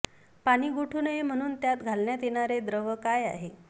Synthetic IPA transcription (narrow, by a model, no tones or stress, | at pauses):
paɽ̃iːɡuʈʰuːnɦem̤əɽ̃uːnt̪jat̪ɡʱalɳjat̪eñaɾed̪ɾəʋəkaja̰ɦe